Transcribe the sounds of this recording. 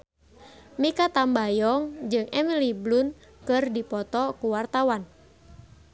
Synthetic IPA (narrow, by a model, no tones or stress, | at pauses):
mikat̪ambajɔŋd͡ʒɨŋɛmiliblunkɨrdipɔt̪ɔkuwart̪awan